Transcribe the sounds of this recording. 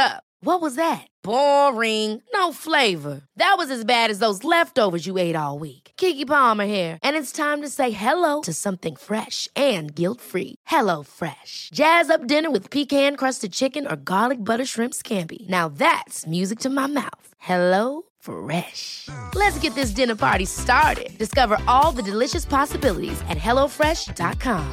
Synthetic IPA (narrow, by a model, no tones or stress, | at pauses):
ʌ | wʌt̚wʌzðɨt̚b̥ɔɹɪ̃ŋnoʊfleɪvə˞ðɨt̚wʌzɨzbæɾɨzðoʊzlɛftoʊvə˞zjɨeɪɾɔlˠwikkʰikipɑmə˞ɛɹʔɨ̃nɨtstʰãɪ̃mtɨseɪɦɛloʊɾɨsʌ̃mθɪ̃ŋfɹɛʃʔɨ̃nɡɪlˠtfɹḭhɛloʊfɹɛʃd̥ʒ̥æzʌp̚d̥ɪ̃nə˞wɨð̥pʰikhæ̃nkʰɹ̥ʌstɨd̚t͡ʃʰɪkɨ̃nə̰˞ɡɑlˠɨk̚bʌɾə˞ʃɹɪ̃mpskʰæ̃mpḭnaʊðætsmjʉzɨk̚tʰɨmaɪma̰ʊθhɛloʊ | fɹɛʃlɨtsɡ̥ɛt̪̚ðɪs̬d̥ɪ̃nə˞pʰɑ̰ɹɾistɑɹɾɪ̰d̚d̥ɨskʌvə˞ʔɔlˠðɨdɨlɪʃɨspʰɑsəbɪlˠə̰ɾḭzɨ̰t̚ɦɛlˠoʊfɹɛʃd̥ɑ̰t̚kʰɑ̃m